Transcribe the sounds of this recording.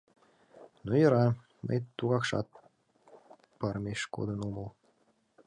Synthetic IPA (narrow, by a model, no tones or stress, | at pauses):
nujəɾɑ | mə̰jt̪uɣɑkʃɑ̰t̪̚ | pərmʲeʃko̰d̪ənuməlˠ